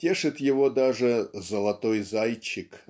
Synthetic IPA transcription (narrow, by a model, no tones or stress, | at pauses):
tʲeʂɨt̪jɪvod̪aʐɨzəlˠɐt̪ojzajt͡ɕːɪk